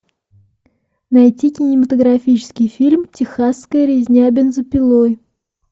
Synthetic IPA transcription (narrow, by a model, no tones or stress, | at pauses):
najtʲikʲɪnʲɪmət̪əɡɾɐfʲit͡ɕɪ̥skʲɪjfʲilʲmtʲɪxasːkəjɾʲɪzʲnʲæbʲɪnzəpʲɪlˠoj